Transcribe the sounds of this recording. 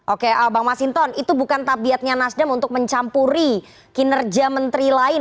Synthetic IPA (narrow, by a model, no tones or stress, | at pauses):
ʔokeəbaŋmasint̪ɔnit̪ubukant̪abiat̪̚ɲanasdamunt̪ʊk̚məɲt͡ʃampuɾi | kinərd͡ʒamənt̪ɾilaɪn